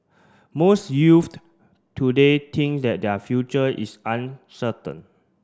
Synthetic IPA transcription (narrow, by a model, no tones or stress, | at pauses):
mosjuft | tːudet̪ʰĩŋksdɛt̚dɛfjut͡ʃəʔḭsãnsətə̰̃n